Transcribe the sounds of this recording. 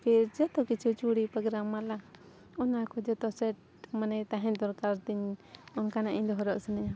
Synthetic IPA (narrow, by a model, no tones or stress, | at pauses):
kɛɾd͡ʒɔt̪ɔkit͡ʃut͡ʃuɽipɾɔɡɾamala | ɔnakɔd͡ʒɔt̪ɔsɛʈ̚ | manɛt̪aɦɛ̃nt̪ɔɾkaɾt̪iɲɔnkanaʔiɲd̪ɔɦɔɾɔʔsɛnɛɲa